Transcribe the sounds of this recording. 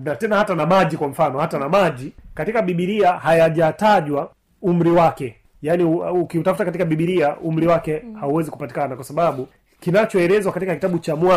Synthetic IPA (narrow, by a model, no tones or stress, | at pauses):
natɛnahatanamaʄikwam̩fanɔhatanamaʄikatikaɓiɓiɾiahajaʄataʄwa | um̩ɾiwakɛ | jaːniukiutafutakatikaɓiɓiɾiaʔum̩ɾiwakɛhauwɛziku̥patikanakwasaɓaɓu | kinat͡ʃɔɛɾɛzwakatikakitaɓut͡ʃamwa